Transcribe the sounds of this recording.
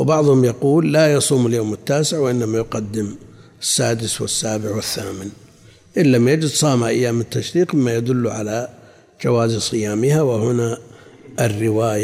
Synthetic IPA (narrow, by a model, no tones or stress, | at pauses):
wbɑʕðˤhʊmjɑquːlːajɑsˤuːmɪljoːmɪt̪ːaːsɪʕwɪʔɪnːamajʊqad̪ːɪm | ɪsːaːd̪ɪswɪ̰sːaːbɪʕwɪθːaːmɪn | ʔɪlːamjad͡ʒɪd̪sˤɑːmaʔajːaːmːɪnt̪ːaʃɾiːqmɪmːajad̪ʊlːuʕa̰la | d͡ʒawaːzsˤɨjaːmɪhawɪhʊnaʔɪrːɪwaːja